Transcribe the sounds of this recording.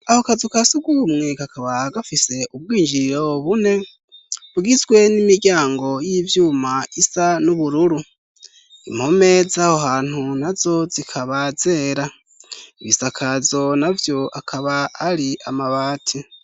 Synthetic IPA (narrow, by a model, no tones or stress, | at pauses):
ahokazukasuɡumŋe̞kakʰaβaɡafise̞ʔub̚ɡiːnd͡ʒiɾɾo̞βune̞ | βuɡizɡwe̞nimiɾɟaːŋɡo̞jivjuːmaisanuβuɾuɾu | imho̞me̞zahoɦaːn̥hunazo̞zikʰaβaze̞ːɾa | iβisakʰazo̞navjo̞akʰaβaːɾiamaβaːtʰi